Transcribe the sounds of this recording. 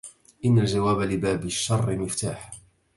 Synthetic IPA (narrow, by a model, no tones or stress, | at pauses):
ʔɪnːald͡ʒawaːbalɪbaːbɪʃːɑrˤːɪmɪft̪aːħ